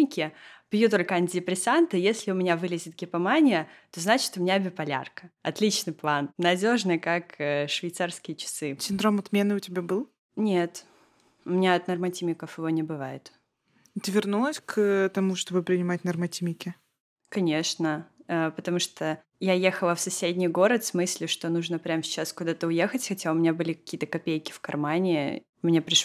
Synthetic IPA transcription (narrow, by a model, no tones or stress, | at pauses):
ɪkʲɪpʲjut̪olʲkəanʲtʲɪdʲɪpɾʲɪsant̪ɨjesʲlʲɪʊmʲɪnʲavɨlʲɪzʲɪt̪̚ɡʲɪpɐmanʲɪjət̪o̞znat͡ɕɪ̥t̪ʊmʲɪnʲabʲɪpɐlʲa̰rkə̥ɐt̪lʲit͡ɕnɨjplˠannɐdʲo̞ʐnɨjkakʂvʲɪjt̪sarskʲɪjət͡ɕɪ̥sɨsʲɪnd̪ɾomɐt̪mʲenɨʊtʲɪbʲabɨlˠ | nʲet̪ | ʊmʲɪnʲaɐt̪nərmɐtʲimʲɪkəfjɪvo̞nʲɪbɨvajɪ̰t̪ | t̪ɨvʲɪrnulˠəsʲkt̪ɐmuʂt̪o̞bɨpɾʲɪnʲɪmat̚ʲnɐrmɐtʲimʲɪkʲɪ | kɐnʲeʂnəəpət̪ɐmuʂt̪o | jajexəlˠəfsɐsʲedʲnʲɪjɡo̞ɾət̪smɨsʲlʲʊʂt̪onuʐnəpɾʲamsʲɪt͡ɕːaskʊd̪at̪əʊje̞xətʲxɐtʲaʊmʲɪnʲabɨlʲɪkɐ̥kʲiːət̪əkɐpʲejkʲɪ̥fkɐrmanʲɪ | ʊmʲɪnʲapɾʲɪʂ